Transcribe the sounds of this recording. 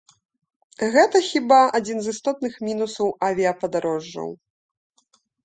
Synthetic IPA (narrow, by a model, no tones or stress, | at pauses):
ɣɛt̪ɐxʲibaad͡zʲinzɨst̪ɔt̪̚nɨxmʲinusɐwavʲiɐpɐd̪aɾɔʐːɐ̰w